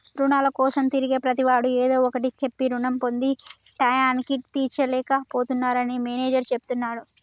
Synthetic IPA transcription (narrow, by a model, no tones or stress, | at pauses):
ɾunaːlɐkɔːsɐmt̪iɾiɡeːpɾɐt̪iʋaːɽueːd̪o̞ːɔkɐʈit͡ʃe̞pːiɾuɳɐmpo̞nd̪i | ʈɐjaːnkiʈt̪iːt͡ʃɐlɛːkɐpoːt̪unːaːɾɐnimeːneːd͡ʒɐɾt͡ʃe̞put̪unːaːɽu